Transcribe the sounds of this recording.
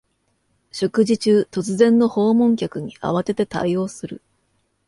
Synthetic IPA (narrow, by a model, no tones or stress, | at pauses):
ɕo̞kɯ̟ʑit͡ɕɨːt̪o̞t͡sɨzẽ̞nːo̞ho̞ːmõ̞ŋkʲakɯ̟ɲ̟iʔa̰βat̪e̞t̪e̞t̪a̰io̞ːsɨɾɯ̟